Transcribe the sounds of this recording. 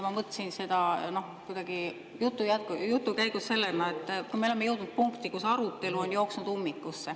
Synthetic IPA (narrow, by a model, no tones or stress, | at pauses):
mɑmɤt̪ːˑsinse̞d̪̥ɑno̞hkujd̪̥ɑɡ̥i | jut̪ːˑujæt̪̚kjut̪ˑːukæjɡ̥usːe̞lːenɑet̪ˑːkujmeolemejɤ̞wd̥̪nut̪̚puŋkt̪ikusɑɾut̪ːˑe̞luo̞njo̞ːksnud̪̥umːikːˑusːe